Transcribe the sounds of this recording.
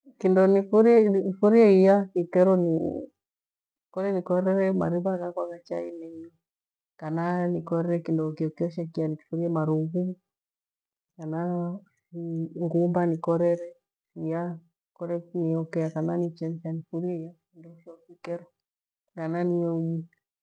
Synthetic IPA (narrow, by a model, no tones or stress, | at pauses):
kindɔnifuɾiɛifuɾiɛijakikɛɾɔni | kɔɾɛnikɔɾɛɾɛma̰ɾiβakakwaɣat͡ʃa̰ḭnɛɲɔ | kananikɔɾɛɾɛkindɔkiɔkiɔʃɛkianiki̥fuɾiɛmaɾuɣu | kana | ŋɡumbanikɔɾɛɾɛ | sija | kɔɾɛniɔkɛakananit͡ʃɛnt͡ʃanifuɾiɛijaindɔʃɔkikɛɾɔ | ŋɡananiɔʄi